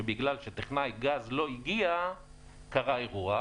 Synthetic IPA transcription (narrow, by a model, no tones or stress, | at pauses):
ebiɡlalʃet̪eχnajɡazlo̞iɡia | kaʁaeʁua